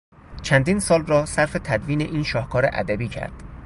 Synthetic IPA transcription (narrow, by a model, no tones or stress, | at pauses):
t͡ʃʰænd̪iːnsɒːlrɒːsæɾfe̞t̪ʰæd̪viːneʔiːnʃɒːhkʰɒːɾḛʔæ̰d̪æbiːcʰæ̰ɾd̪̥